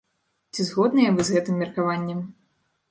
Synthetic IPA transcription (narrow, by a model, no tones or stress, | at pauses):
t͡sʲizɣɔd̪nɨjɛvɨzɣɛt̪ɨmːʲɛrkavanʲːɛm